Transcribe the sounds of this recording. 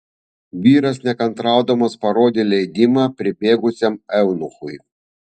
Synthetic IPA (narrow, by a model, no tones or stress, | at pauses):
ʋʲiːɾɐsnʲɛkɐnt̪ɾɑˑʊd̪omɐspɐɾoːd̪ʲeːlʲɛɪd̪ʲɪmɑpʲɾʲɪbʲeːɡʊsʲɛmɛʊnʊxʊj